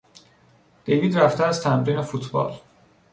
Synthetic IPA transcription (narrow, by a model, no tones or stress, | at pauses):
d̪̥e̞jviːd̪ɾæft̪eæzt̪ʰæmɾiːne̞fut̪ʰbɒ̰ːl